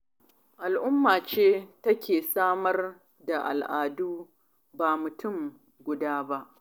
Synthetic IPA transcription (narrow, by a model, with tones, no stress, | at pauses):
ʔa˨lʔʊ˦mːaː˨t͡ʃeː˦tɐ˦kʲeː˨saː˦mɐ˦r | da˨ʔa̰˨lʔaː˨duː˦ | baː˨mʊ˨tʰʊ˦˨m | ɡʷʊ˨daː˦ba˦ʔ